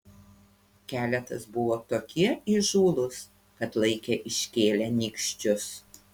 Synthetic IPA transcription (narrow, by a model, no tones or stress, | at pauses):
kʲæːlʲɛt̪ɐsbʊʋoːt̪oːkʲɪɛɪʒuːlˠʊs | kɐt̪lˠɐɪkʲɛʔɪʃʲkʲeːlʲɛnʲiːkʃʲt͡ʃʲʊs